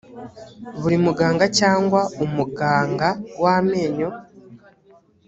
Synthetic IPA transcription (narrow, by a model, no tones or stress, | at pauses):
βuɾimuɡaːŋɡacaːŋɡwaumuɡaːŋɡaɡwame̞ːɲo̞